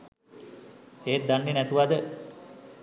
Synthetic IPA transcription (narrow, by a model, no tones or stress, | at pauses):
eːt̪̚d̪anːenæt̪uʋad̪ə